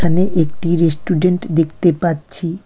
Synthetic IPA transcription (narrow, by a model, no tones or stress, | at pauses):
əneʔek̚ʈiɾesʈuɖeɳʈd̪ekʰt̪epatt͡ɕʰi